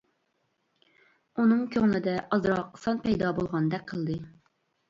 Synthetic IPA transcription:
unɨŋkʲʰøŋlɪd̪ɛʔɑzɾɑqsɑnpʰɛjd̪ɑbolˠʁɑnd̪ɛk̚ʲqʰəlˠd̪ɨ

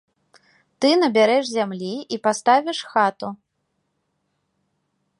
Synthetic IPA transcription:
t̪ɨnɐbʲaɾɛʂzʲamlʲiipast̪avʲiʂxat̪u

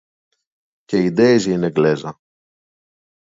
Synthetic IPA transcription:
ceid̪eizineɡlezɐ

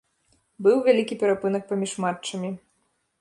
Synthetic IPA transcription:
bɨwvʲalʲikʲipʲɛɾapɨnɐk̚pamʲiʂmatt͡ʂːɐmʲi

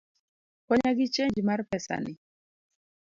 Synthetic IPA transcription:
kɔɲaɡɪt͡ʃeɲd͡ʒmarpɛsa̰nɪ

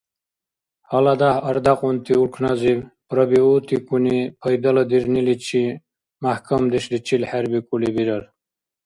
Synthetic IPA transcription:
halad̪ahɐɾd̪aqʼunt̪ʰiulkʰnazibpɾəbiut̪ikunipʰəjd̪ɐlɐd̪iɾnilit͡ʃʰi | mahkʰɐmd̪iʃd̪it͡ʃʰilħaɾbikʼulibiɾɐl

